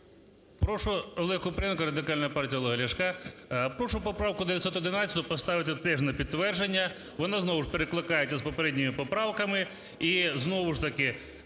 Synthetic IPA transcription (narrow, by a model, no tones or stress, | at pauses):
pɾɔʂʊʋelˠɪkʊpɾenkʊɾɐd̪ɪkalʲnɐjɐpartʲijɐlˠɐɦɐlʲɐʂkapɾɔʂʊpɔpɾawkʊd̪eʋʲjɐt̪ʲsʲɔt̪ːɔd̪ɪnat͡sʲːɐt̪ʊpɔst̪aʋɪt̪ɛt̪ɛʐnɐpʲidt̪ːʋɛrʒenʲːɐ | ʋɔnaznɔʋʊʂpeɾeklˠɪkajet͡sʲːɐspɔpeɾɛdʲnʲɪmɪpɔpɾawkɐmɪ | iznɔʋʊʂt̪ɐkɪ